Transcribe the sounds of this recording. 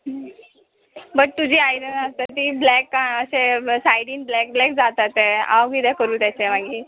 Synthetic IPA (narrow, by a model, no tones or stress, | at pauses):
bəʈ̚t̪ud͡ʑiːajɾənast̪at̪iːblɛkːaəsesajɽiŋblɛk̚blɛk̚d͡zat̪at̪ea̰ʋid̪ɛkəɾuːt̪jat͡semaɡiː